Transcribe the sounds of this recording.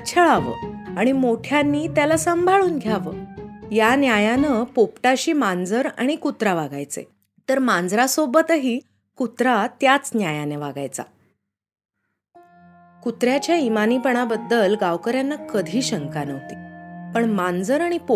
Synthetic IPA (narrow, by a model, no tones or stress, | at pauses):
t͡ɕʰəɭaʋə̰ːaɽ̃imoʈʰjanːiːt̪jalasəmbʱaɭuːnɡʱjaʋəːjanjajanəpopʈaɕiːmand͡zəɾa̰ɽ̃ikut̪ɾaʋaɡa̰jt͡sḛ | t̪əɾmand͡zɾasobət̪əɦiː | kut̪ɾat̪jat͡snjajaneʋa̰ɡa̰jt͡sa̰ | kut̪ɾjat͡ɕjaimaniːpəɳ̃abəd̪ːəlɡaʋkəɾjanːakəd̪ʱiːɕəŋkanəʋt̪ipəɳmand͡zəɾaɽ̃ipo